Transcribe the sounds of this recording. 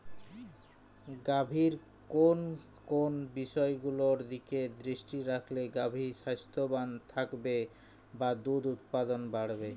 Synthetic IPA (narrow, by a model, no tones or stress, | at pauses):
ɡabʱiɾ | kon | konbiʃɔeɡuloɾd̪iked̪ɾiʃʈiɾakʰleɡabʱiʃast̪ʰobant̪ʰakbe | bad̪ud̪ut̪̚pad̪onbaɽbe